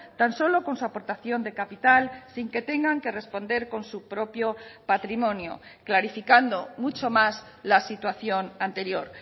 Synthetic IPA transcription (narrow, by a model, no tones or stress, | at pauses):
t̪anso̞lo̞ko̞nsuapo̞ɾt̪aθjo̞nd̪e̞kapit̪alsiŋke̞t̪e̞ŋɡaŋke̞re̞spo̞nd̪e̞ɾko̞nsupɾo̞pjopat̪ɾimõ̞njo̰klaɾifikand̪omut͡ʃo̞mas | lasit̪waθjo̞nant̪eɾjo̞ɾ